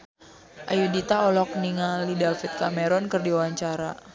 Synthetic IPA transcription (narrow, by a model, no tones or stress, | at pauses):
ʔajudit̪aɔlɔk̚niŋalidafit̪̚kameɾɔnkɨrdiawaɲt͡ʃaɾa